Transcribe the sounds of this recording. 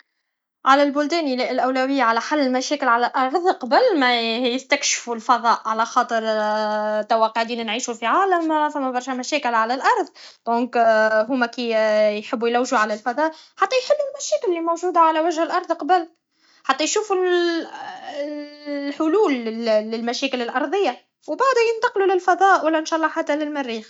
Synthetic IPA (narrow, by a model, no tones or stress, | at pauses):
ʕalælbʊld̪ɛːnilɪɪlʔæwlæwɪjːaʕalæħalːɪlmæʃɛːkɪlʕalælʔɑɾˤðˤqɑbəlmæjɪst̪ækʃfulfɑðˤɑːʔʕalæxɑːt̪ˤəɾ | t̪æwːɑqːoʕd̪iːnænʕiːʃufiʕaːlæmfæmːæbɑɾˤʃæmæʃæːkɪlʕalælʔɑɾˤðˤd̪̥ɔ̃ːŋkɦʊmækijħɪbːujlæwʒuʕalælfɑðˤɑːʔħɑt̪ˤːɑjħɪbːulmæʃæːkɪlːimowʒuːd̪aʕalæwæʒhəlʔɑɾˤðˤqɑbəl | ħɑt̪ˤːɑjʃuːful | ħʊluːlːɪlmæʃæːkɪlɪlʔɑɾˤðˤɪjːa | wbaʕd̪æjənt̪ɑqlulɪlfɑðˤɑːʔwælːænʃɑʔlˤːɑħat̪ːælɪlmɪrːiːx